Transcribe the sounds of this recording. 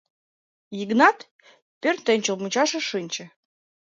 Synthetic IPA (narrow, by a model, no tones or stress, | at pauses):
jiɡnɑt̪ | pʲørʲnʲt̪ə̆nʲt͡ɕə̆lˠmut͡ɕɑʃɤ̆ʃɨnʲt͡ɕə̆